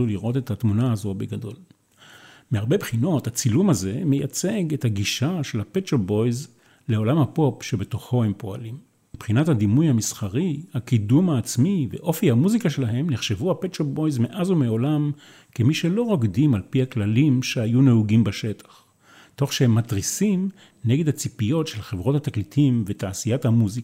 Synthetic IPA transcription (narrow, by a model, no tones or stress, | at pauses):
uliʁʔo̞tethatmunaazoabeɡado̞l | meaʁbebχino̞that͡silumaze̞mejat͡se̞ɡe̞thaɡiʃaʃe̞lhapet͡ʃabo̞jz | leo̞lamhapo̞pʃe̞be̞to̞χo̞he̞mpo̞a̰limː | ipχinathad̪imujhamisχaʁihakidumaːt͡smivḛʔo̞fihamuzikaʃelaɦe̞mneχʃe̞vuhapett͡ʃobojzmeʔazumeo̞lam | kemiʃelo̞ʁoɡdimalpihaklalimʃeajuneuɡimbaʃe̞tʰḁχ | to̞χʃehemːatʁisim | neɡe̞dhat͡sipijo̞tʃe̞lχe̞vʁo̞thataklitimvetaːsijathamuzika